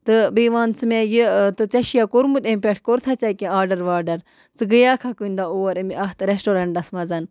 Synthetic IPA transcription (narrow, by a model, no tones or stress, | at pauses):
t̪ɨbiːʋaːnt͡sɨmẽjit̪ɨt͡sɐʃijakoɾmut̪empekʈ̚koɾt̪ʰat͡sajkʲẽaːɾɖɐɾʋaːɾɖɐɾ | t͡sɨɡəjaːkʰakund̪auɐɾɐmiɐɦt̪ɾesʈoɾɐɳʈɐsmɐzɐn